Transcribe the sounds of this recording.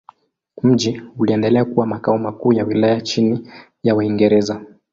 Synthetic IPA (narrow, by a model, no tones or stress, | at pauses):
m̩ʄiuliɛndɛlɛakuwamakaɔmakuːjawilajat͡ʃini | jawaiŋɡɛɾɛza